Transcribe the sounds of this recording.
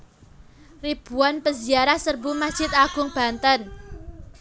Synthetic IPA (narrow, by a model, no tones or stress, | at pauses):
rib̥uanpəziaɾahsərbumad̥ʒ̥ɪ̤t̪aɡ̥ʊŋb̥a̤nt̪ən